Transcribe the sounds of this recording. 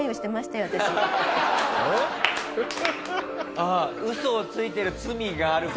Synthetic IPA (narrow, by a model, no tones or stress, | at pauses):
ioɕi̥t̪e̞maɕi̥t̪ajo̞at̪aɕi | e | aɯ̟so̞ːt͡sɨit̪e̞ɾɯ̟t͡sɨmʲiɡaːɾɯ̟k